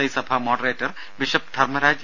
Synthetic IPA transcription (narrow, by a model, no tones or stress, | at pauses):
ɐjsɐbʱaːmɔːɖɾeːʈɐɾ | ʋɪʃɐp̚d̪ʱɐɾmɐɾaːd͡ʒ